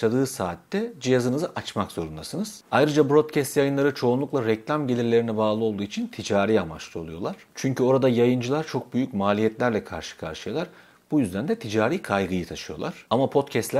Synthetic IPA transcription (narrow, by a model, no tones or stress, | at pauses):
ad̪ɯːsaːt̪ːɛd͡ʒijazɯnɯzɯʔat͡ʃmakz̥o̞ɾund̪asɯnɯz̥ajɾɯd͡ʒabuɾo̞t̪cʰɛst̪jajɯnlˠaɾɯt͡ʃʰo̞unlˠuklˠaɾɛclʲamɟe̞lʲiɾlʲeɾinɛbaːlˠɯo̞lˠd̪uːit͡ʃʰint̪ʰid͡ʒaːɾijama̰t͡ʃlˠɯolˠujo̞lˠaɾ̥t͡ʃʰyɲcʰyo̞ɾad̪ajajɯnd͡ʒɯlˠaɾt͡ʃʰo̞k̚byjycmaːlʲijɛt̪lʲæɾlʲɛkʰa̰ɾʃɯ̥kʰa̰ɾʃɯjalˠaɾ | b̥ujyzd̪ænd̪ɛt̪ʰid͡ʒaːɾiːkʰajɡɯjɯt̪ʰaʃɯjo̞lˠaɾ̥amapʰo̞t̪cʰɛst̪lʲæ